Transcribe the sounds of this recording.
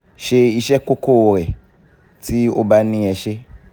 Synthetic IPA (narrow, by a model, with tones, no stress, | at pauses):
ʃe˧i˧ʃɛ˦ko˦ko˦˨ɾe˨ | ti˦o˦ba˦nĩ˦ɛ˧ʃe˦